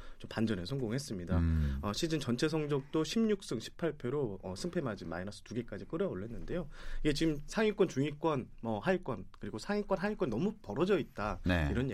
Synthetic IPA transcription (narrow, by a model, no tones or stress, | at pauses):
t͡ɕompand͡ʑʌnesʰʌŋɡoŋɦe̞s͈ɯmɲidaʌɕʰid͡ʑɯnt͡ɕʌnt͡ɕʰe̞sʰʌŋd͡ʑʌk̚t͈oɕʰimɲuk̚s͈ɯŋɕʰi̥pʰaɭpʰjoɾoʌsʰɯŋpʰe̞mad͡ʑima̰inas͈ʰʌtuɡek͈ad͡ʑik͈ɯɾʌoɭːe̞nːɯnde̞joiɡe̞t͡ɕimsʰaŋik͈wʌnt͡ɕuŋik͈wʌnmʌhaik͈wʌnkɯɾiɡosʰaŋik͈wʌnɦaikwʌnnʌmupʌɾʌd͡ʑʌit̚t͈aniɾʌne